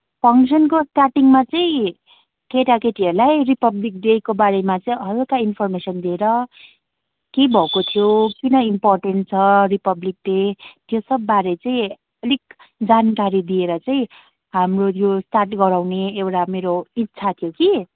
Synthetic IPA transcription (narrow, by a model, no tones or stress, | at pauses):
pʰʌŋsʌnkosʈarʈiŋmat͡sʌĩ | keʈakeʈiʌɾlajripʌblik̚ɖekobaɾemat͡sʌĩʌɾokainpʰʌrmesʌnd̪ieɾʌ | kebʱʌkot̪ʰjokinʌimporʈeɳʈt͡sʰʌripʌblik̚ɖet̪josʌbːaɾet͡sʌĩ | ʌlik̚ | d͡zankaɾid̪ieɾʌt͡saĩ | ɦamrot̪josʈarʈɡʌɾawneːwʈameɾoitːsʰat̪ʰijoki